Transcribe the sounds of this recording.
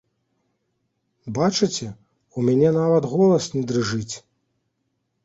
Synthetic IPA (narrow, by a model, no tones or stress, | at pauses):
bat͡ʂɨt͡sʲɛ | umʲɛnʲɛnavɐt̪ɣɔlˠɐsnʲid̪ɾɨʐɨt͡sʲ